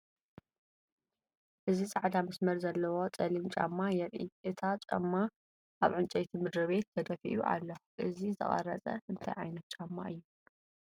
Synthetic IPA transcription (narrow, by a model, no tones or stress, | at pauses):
ʔɨzisʼaʕd̪amɐsmɐɾzɐlːɐwo̞t͡sʼɐlint͡ʃʼa̰mːajɛɾʔḭʔɨt̪ʰat͡ʃʼɐ̰mːa | ʔaβʕɨnt͡ʃʼet̪ʰimɨd̪ɾɨβe̞t̪ːɐd̪ɐfḭʔuʔa̰lːɐxuʔɨzizʰɨ̰χʼɐ̰ɾɐt͡sʼɐ̰ɨnt̪ʰɐ̰jʕajnɐt̪̚t͡ʃʼamːaʔɨjːu